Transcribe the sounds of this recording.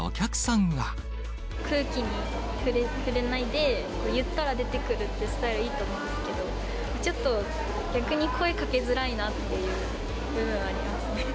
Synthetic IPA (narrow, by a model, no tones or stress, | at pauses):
o̰kʲakɯ̟̥sãŋɡa | kʰɯ̟ːkʲiɲ̟i | ɸɯ̟ɾeɸɯ̟ɾe̞naid̪e̞ | ko̞ːjɯ̟t̪ːaɾad̪e̞t̪e̞kɯ̟ɾɯ̟t̪ːe̞sɨ̥t̪aiɾɯ̟iːt̪o̞ːmõ̞ːnesɨ̥ke̞d̪o̞ | mat͡ɕo̞t̪ːo̞ | ɡʲakɯ̟ɲ̟ikʰo̞e̞kake̞zɨɾainat̪ːe̞jɯ̟ː | bɯ̟bɯ̟̃ɰ̃aaɾʲimasɨne̞